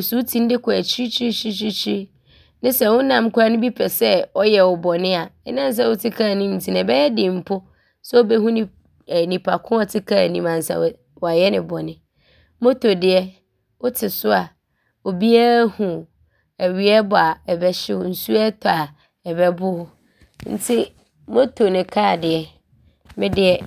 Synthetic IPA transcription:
o˨su˦tʰĩ˦n˦dɪ˦kʰɔ˨ɛ˨t͡ɕʰi˦t͡ɕʰi˦t͡ɕʰi˦t͡ɕʰi˦t͡ɕʰi˦ | nɪ̃˦sɛ˨wʊ̃˦nã˨m˦kʰʊ˦a˦nʊ̃˦bi˦pʰɛ˨sɛ˦ɔ˦jɛ˨wɔ˨bɔ˨nɪ̃˦a˨ɛ˦nã˦˨n˨s̬ɛ˦wʊ˦tʰɪ˦kʰa˦˨nĩ˦n̩˨tʰi˨nã˨bɛ˦jɛ˦dɪ̃˨m̩˨pʰʊ˦ | sɛ˦o˦be˦ɦũ˦n˦˨ | nĩ˨pʰa˨kʰʊ̃˦ɔ˨tʰɪ˦kʰa˦˨nĩ˨mã˨n˨sɛ̰˨ | wa˨jɛ˦nɪ̃˨bɔ˨nɪ̃˦ | mo˦tʰo˨dɪ˨ɛ˦ | wʊ˦tʰɪ˨sʊ˦a˨ | o˨bi˦a˦hũ˨ | ɛ˨ɥi˨ɛ˦bʊ˨a˨ɛ˨bɛ˦ɕɪ˦wʊ˨n̩˨su˦ɛ˦tʰɔ˨a˨ | ɛ˨bɛ˦bʊ˦hʊ˦ | n̩˦tʰɪ˦ | mo˦tʰo˨nɪ̃˨kʰa˦˨dɪ˨ɛ˦ | mɪ̃˦dɪ˦ɛ˦

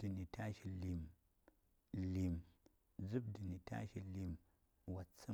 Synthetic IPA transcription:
dɨ˨ni˨tʰa˦ʃi˧li˨m | li˨m | d͡zɨ˦b̚dɨ˨ni˨ta̰˦ʃi˨li˧m | wa˨t͡sːɨ˦

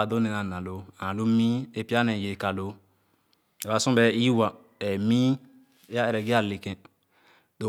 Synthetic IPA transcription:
a˨do˦ne˨na˨nã˨lo˨a˨a˨lu˦mi˦e˦pi˦a˦ne˨je˨ka˨lo˦ | e˨ba˨sũ˦bɛ˦i˦wa˨ | ɛ˨mĩ˦ | a˦e˨ɾɛ˨ɡi˦a˦˨li˨kẽ˨ | do˨

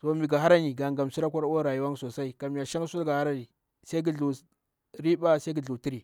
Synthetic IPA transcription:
to˨mi˨ɡa˨ɦa˦ɾa˦ni˨ɡa˨ŋɡa˨m˨si˦ɾa˦kʷa˦ɾo˦ɾa˨ju˦wa˦nso˨sa˦i˦˨ka˨m˨ja˨ʃa˦ŋ˦su˦lɡa˨ha˦ɾa˦ni˨ | sa˦ɡi˨ɮu˨ | ɾi˦ɓa˦sa˦ɡi˨ɮu˨ti˦ɾi˨

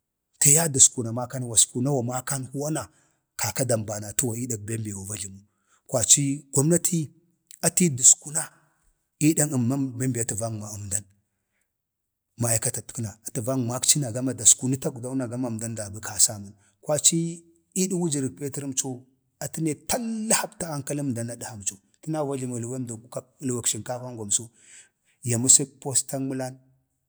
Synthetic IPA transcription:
ta˨ja˦da˨sku˨na˨ma˦ka˦n˨wa˨sku˨na˦wa˨ma˦ka˦nhu˦a˦na˨ | ka˨ka˦da˨m˨ba˨na˨tu˦wa˨i˦da˨k̚be˦mbe˨wa˨va˦ɮi˨mu˨ | kʷwa˨t͡ʃi˦ɡ̥ʷa˦mna˦tʰi˦ | a˨ti˦du˨sku˨na˦ | i˦da˦nə˨mːa˦be˦mbi˨a˦ti˨va˦ŋ˨ma˨u˨m˨nda˦n | ma˨ka˦ta˨tu̥˨kna˨a˨ti˨va˦ŋ˨ma˦kt͡ʃi˦na˨ɡa˦ma˦da˨sku˨ni˦ta˦kda˦u˦na˨ɡa˦ma˨da˦nda˨bi˦ka˨sa˦mu˨n | kwa˦t͡ʃi˦ | i˦di˦wu˦d͡ʒi˨ɾi˨kpe˦ti˦ɾi˦mt͡ʃo˦ | a˨ti˦ne˦˨ta˦lːa˦ha˦bta˦a˦ŋka˦li˦m˨da˦na˦da˦˨ha˨m˨t͡ʃu˨ | ti˦na˦wa˦ɮi˨mə˨lwe˦da˨u˦ka˦˨lwe˨kʃi˨ka˦ka˦ŋɡʷo˨m˨su˦ | ja˨mu˦si˦kpo˦sta˦ŋmu˦la˦n

